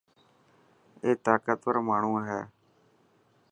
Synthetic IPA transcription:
eːt̪aːkət̪pəɾmaːɳuːɦɛː

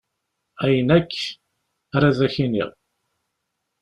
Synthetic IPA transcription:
æjənækː | ɾæðæçinḭʁˤ

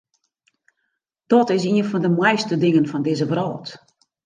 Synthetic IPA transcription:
d̥ɔtɪs̬iənfɔndəmɛjstədɪŋənfɔndɪzəvrɔːt

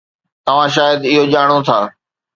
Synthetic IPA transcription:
t̪ɐʋ̤ãʃ̬aːjəd̪ɪɦoʄaːɽ̃ot̪ʰaː

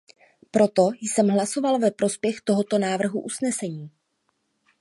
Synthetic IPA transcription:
pɾo̞t̪o̞jsɛmɦlaso̞valvɛpɾo̞spjɛxt̪o̞ɦo̞t̪o̞naːvr̩ɦuʔusnɛsɛɲiː

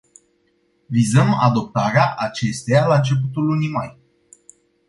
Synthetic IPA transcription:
vizəma̰d̪o̞p̚t̪aɾeaʔat͡ʃe̞st̪ejalaɨnt͡ʃe̞p̬ut̪ulːunimaj

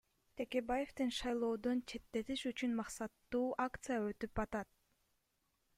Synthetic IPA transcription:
t̪ʰe̞ke̞baje̞ft̪enʃɑjlˠo̞ːd̪ont͡ʃʰe̞t̪ːe̞t̪iʃyt͡ʃynmɑqsɑt̪ːuːʔakt̪sɨjaøt̪ypɑt̪ɑt̪̚

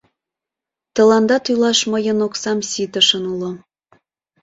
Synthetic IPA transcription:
t̪ə̆lɑnd̪ɑt̪ylɑʃməjənoksɑmsit̪əʃənulŏ

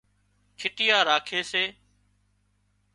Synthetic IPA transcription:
kʰɪʈɪjaːɾaːkʰeːseː

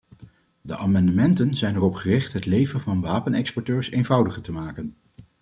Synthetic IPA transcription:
də̰ʔaːmɑndəmɛntənzɛjnɛrɔpχərɪχtɦətlejvənvɑnʋaːpənɛkspɔɹtøːɹsejnvʌwdəχəɹtəmaːkən

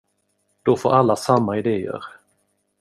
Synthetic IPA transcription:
d̪̥ɔfoːɾalːasamːaɪd̪eːə̰ɾ

